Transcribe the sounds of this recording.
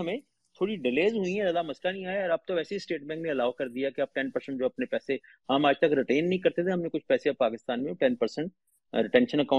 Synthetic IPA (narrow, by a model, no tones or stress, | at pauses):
ɦɐmẽː | t̪ʰoːɽiɖɪleːzɦʊĩɦɛzɐd̪amɐslanĩaːaɔːɾɐb̚t̪õʋɛːseisʈeːʈ̚bɛ̃ːknẽɐlaːʊkɐɾd̪ijakeɐb̚ʈɛnpɐɾsə̃ɳʈd͡ʒoːɐpnepɛːse | ɦamaːd͡ʒt̪ɐkɾɪʈeːnːɐɦĩkɐɾt̪et̪ʰeɦɐmnẽkʊt͡ʃʰpɛːseapaːkɪst̪aːnmẽʈɛnpəɾsə̃ɳʈ̚ | ɾɪʈɛ̃ːnʃə̃nəkaː